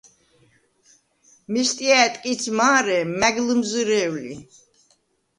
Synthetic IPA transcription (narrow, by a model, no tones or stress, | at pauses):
mist̪ʼiaɛt̪ʼkʼisʰmaːɾɛmæɡlmzɨɾɛwlḭ